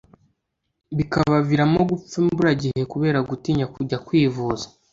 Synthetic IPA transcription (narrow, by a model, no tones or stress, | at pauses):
βikaβaviɾamo̞ɡup͡fembuɾaɟihe̞kuβe̞ːɾaɡutiɲakuɟakwiːvuːzḁ